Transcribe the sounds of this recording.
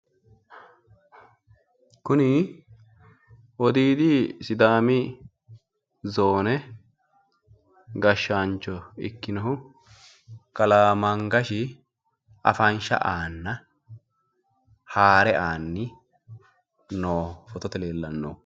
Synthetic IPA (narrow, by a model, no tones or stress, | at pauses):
kʊnɪ | ɔd̪iːd̪isɪd̪aːmɪ | zoːnɛ | ɡɐʃːant͡ʃːɔɪ̰kːɪnɔɦʊ | kɐlaːmɐŋɡɐʃɪ | ʔɐ̰fɐnʃɐ̰ʔaːnːɐ | haːɾɛʔaːnːɪ | noːfɔt̪ɔt̪ɛleːlːɐnːo